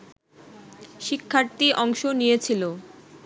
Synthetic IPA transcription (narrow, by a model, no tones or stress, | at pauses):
ʃikʰːaɾt̪iʔɔŋʃonijet͡ɕʰilo